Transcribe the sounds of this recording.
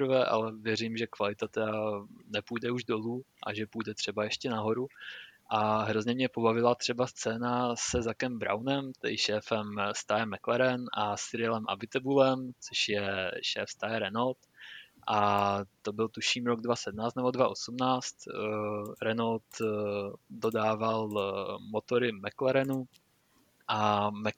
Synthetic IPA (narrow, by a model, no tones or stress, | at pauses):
pɾvɛʔa̰lɛvjɛrimʒɛkvalɪt̪at̪ɛdanɛpujdɛuʒdo̞luː | ʔa̰ʒɛpujdɛt̪r̝̥ɛbajɛʃcɛnaɦo̞ɾuʔaɦɾo̞zɲɛmɲɛpo̞bavɪlat̪r̝̥ɛbast͡sɛːnasɛzakɛmbɾa̰wnɛmt̪ɛdɪʃɛːfɛmst̪ajɛmːɛklɛɾɛnʔasɪɾɪlɛmʔa̰bɪt̪ɛbulɛmt͡soʃjɛʃɛ̰ːfst̪ajɛɾɛnolt̪ʔat̪o̞bɪlt̪uʃiːmɾoɡdvasɛd̚mnaːt͡st̪nɛbo̞dvaʔo̞sumnaːt͡st̪ | ɾɛnolt̪ | do̞daːvalmo̞t̪o̞ɾɪmɛklɛɾɛnu | ʔamɛ